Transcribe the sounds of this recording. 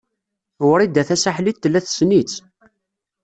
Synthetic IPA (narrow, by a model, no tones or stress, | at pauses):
ʊɾid̪æθæsaħlit̪ːəlːæθsnit͡s